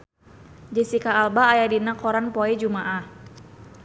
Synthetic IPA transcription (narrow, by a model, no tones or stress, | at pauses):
d͡ʒisikaːlbaːjadinakʰɔɾanpoɛd͡ʒumaʔah